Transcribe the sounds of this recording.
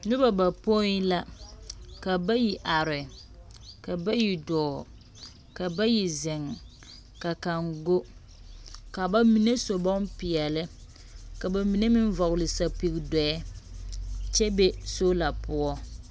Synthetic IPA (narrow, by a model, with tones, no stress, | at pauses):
nʊ˦ba˨ba˨po˦la˦ | ka˨ba˦ji˨ʔa˨ɾɪ˨ | ka˨ba˦ji˨dɔː˨ | ka˨ba˦ji˨zɪ˨ŋ | ka˨ka˨ŋɡo˦ | ka˨ba˦mi˨ne˦so˨bɔ˦mpɪ˨ɛ˨lɪ˦ | ka˨ba˨mi˨ne˦mɪ˦ɱ˦vɔ˨ɣlɪ˨sa˨pi˨ɣdɛ˨ɛ˦ | t͡ʃɛ˦be˦so˦la˨pʊ˦ɔ˦